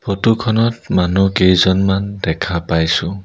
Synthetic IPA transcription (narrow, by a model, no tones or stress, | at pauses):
pʰotukʰɔnɔtmanukejzɔnmandɛkʰapajsũ